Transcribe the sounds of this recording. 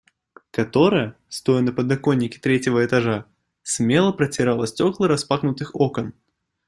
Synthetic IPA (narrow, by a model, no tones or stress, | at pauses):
kat̪oɾəjə | st̪ɔjənɐpəd̪akonʲːɪkʲɪ̥t̪ɾʲet͡sʲɪvəɛt̪aʐa | sʲmʲelˠəpɾɐt͡sʲɪɾalˠəsʲtʲɔklˠɨɾaspaxnʊt̪ɨxɔkən